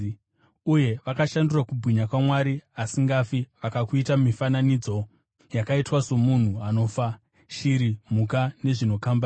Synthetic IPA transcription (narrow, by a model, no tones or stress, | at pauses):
uje̞ʋakaʃandurakubʱwiɲakwamwaɾiasiŋɡafiʋakakuitamifananid͡zo̞ | jakaitwaso̞mun̤uano̞fa | ʃiɾim̤ukane̞ʐino̞kamba